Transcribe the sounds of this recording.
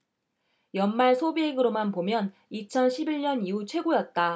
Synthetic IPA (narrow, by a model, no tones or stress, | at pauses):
jʌnmaɭsʰobieɡɯɾomanpomjʌn | it͡ɕʰʌnɕʰibiɭɲʌniut͡ɕʰwe̞ɡojʌt̚t͈a